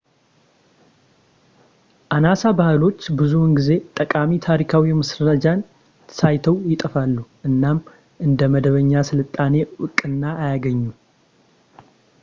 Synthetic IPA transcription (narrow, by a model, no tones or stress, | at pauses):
ʔanasabahɨlo̞t͡ʃːbɨzunɡize̞t̪ʼəkʼamit̪ʰaɾikʰawimɨsɾəəd͡ʒan | sajt̪ʰəwjɪt̪ʼəfalːuʔɨnːam | ʔɨnd̪əməd̪əβəɲːasɨlɨt̪ʼːane̞ʔɨkʼːɨnːaːjaɡəɲːu